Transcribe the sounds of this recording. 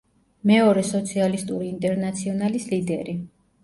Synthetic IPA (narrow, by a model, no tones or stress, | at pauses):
mɛɔɾɛsɔt̪sʰialist̪ʼuɾiːnt̪ʼɛɾnat̪sʰiɔnalislid̪ɛɾi